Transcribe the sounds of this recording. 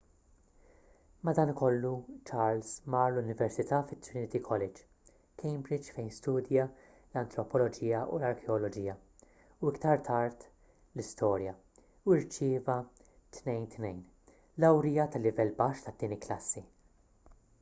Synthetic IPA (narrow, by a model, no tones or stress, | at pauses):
mɐd̪ɐːnkɔlːut͡ʃɐɾlsmɐːɾlʊnɪvɛɾsɪt̪ɐːfɪt̪ːɾɪnɪt̪ikʰɔlɛd͡ʒ | kʰɛjmbɾɪd͡ʒfɛjnst̪uːd̪jɐ | lɐnt̪ɾɔpɔlɔd͡ʒiːjɐʔṵlɐɾkʰɛɔlɔd͡ʒiːjɐ | uɪkt̪ɐɾt̪ʰɐɾt̪ | lɪst̪ɔːɾjɐ | uɪɾt͡ʃɪːvɐ | t̪nɛjnt̪nɛjn | lɐwɾijɐt̪ɐlːɪvɛlːbɐʃt̪ɐt̪ːɪːnɪkːlɐsːi